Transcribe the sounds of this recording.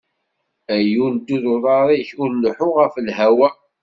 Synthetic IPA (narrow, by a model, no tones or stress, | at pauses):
æjund̪ːuðʊðˤɑɾˤiçʊɾnəħʊʁəflɦæwæ